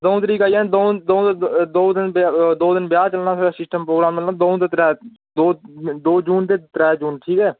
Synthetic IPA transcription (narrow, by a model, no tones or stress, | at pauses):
d̪oːũt̪ɾiːkaːjãːd̪õd̪õːt̪d̪oːd̪ɪnbd̪oːd̪ɪnbjaːt͡ʃəlnaːsʰoːaːsɪsʈəmpɾoːɡɾaːmmɪlnaːd̪oːũt̪et̪ɾɛː | d̪oːd̪oːd͡ʒuːnt̪eːt̪ɾɛːd͡ʒuːnʈʰiːkɛː